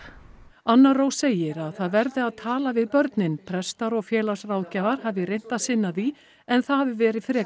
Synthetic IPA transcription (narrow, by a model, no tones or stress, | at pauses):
anːaɾowseːjɪɾaðθaðvɛɾðɪaðt̪ʰaːlavɪðpœɾt̪nɪnpʰɾɛst̪aɾɔɣfjɛːlḁsraːwðcɛːvaɾ̥havɪɾejn̥t̪aðsɪnːaði | ɛnθahavɪvɛːɾɪ̥fɾɛː